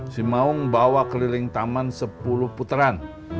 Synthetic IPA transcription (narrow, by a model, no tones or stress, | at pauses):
simaʊŋbawakəlilɪŋt̪amansəpulʊhput̪əɾan